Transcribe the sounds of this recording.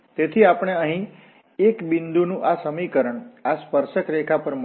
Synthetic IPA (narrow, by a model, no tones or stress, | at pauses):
t̪et̪ʰiapɽ̃eəɦĩ | ekbind̪unũʔasəmikəɾəɳaspəɾʃəkɾekʰapəɾm